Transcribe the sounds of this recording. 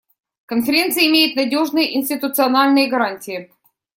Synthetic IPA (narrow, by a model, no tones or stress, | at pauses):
kənfʲɪɾʲe̞nt̪sɨjəɪmʲejɪt̪nɐdʲo̞ʐnɨjəʔɪnʲsʲtʲɪt̪ʊt̪sɨɐnalʲnɨjəɡɐɾanʲtʲɪɪ